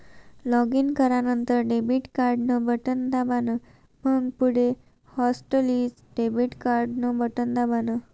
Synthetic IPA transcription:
lɔɡinkəɾanənt̪əɾɖebiʈkaɾɖnəbʱəʈənd̪abanə | məŋɡpuɽe | hɔsʈəlid͡z | ɖebiʈkaɾɖnəbʱəʈənd̪abanə

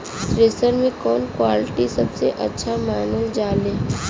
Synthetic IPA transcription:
sɾeːsəɾmẽkɔːnkwaːlɪʈisɐbseʔɐ̰tːʃʰamaːnold͡ʒaːleː

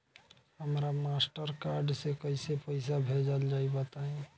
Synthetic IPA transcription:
həmɾamasʈəɾkaɾɖsekəɪsepəɪsabʱed͡ʒəld͡ʒaibət̪aɦĩ

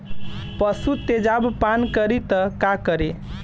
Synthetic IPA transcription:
pəsut̪ed͡ʒabpankəɾit̪əkakəɾe

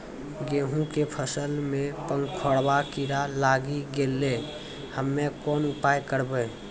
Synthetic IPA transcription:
ɡeːɦũkepʰəsəlmẽpəŋɡkʰoɽbakiɾalaɡiɡelːe | həmːekɔːnupajkəɾbe

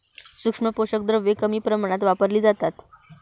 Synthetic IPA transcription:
sukʂməpoɕək̚d̪ɾəʋekəmiːpɾəmaɽ̃at̪ʋapəɾliːd͡zat̪at̪

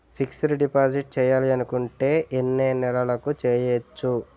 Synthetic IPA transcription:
pʰiksɐluɖipaːd͡ʒiʈ̚t͡ʃɛːjaːliɐnukuɳʈe̞ːʔenːeːnɛlɐlɐkut͡ʃeːjet͡ʃːu

